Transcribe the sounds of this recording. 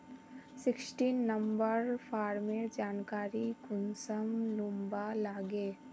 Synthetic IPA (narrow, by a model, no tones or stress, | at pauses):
sɪksʈiːnːəmbəɾfʰaːɾmed͡ʒaːnkaːɾiɡʊnsəmlʊmbalaːɡeː